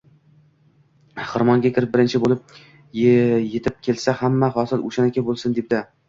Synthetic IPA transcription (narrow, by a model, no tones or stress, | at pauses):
χɨɾmɒŋɡʲakʲʰɪɾɪp̚bɪɾɪnt͡ʃʰɪbolɪp̚ | je̞t̪ʰɪp̚kʲʰe̞lsahamːaχɒsɪlo̰ʃanakʲabolˠsɪnd̪ep̚d̪ɪ